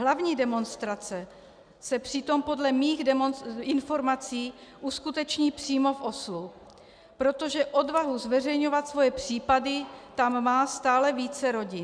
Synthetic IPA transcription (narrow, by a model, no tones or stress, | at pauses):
ɦlavɲiːdɛmo̞nst̪ɾat͡sɛ | sɛpr̝̥ɪt̪o̞mpo̞dlɛmiːɣdɛmonɪnfo̞ɾmat͡siːʔuskut̪ɛt͡ʃɲiːpr̝̥iːmo̞fʔo̞slu | pɾo̞t̪o̞ʒɛʔo̞dvaɦuzvɛrɛjɲo̞vat̪svo̞jɛpr̝̥iːpadɪt̪amːaːst̪aːlɛviːt͡sɛɾo̞ɟɪn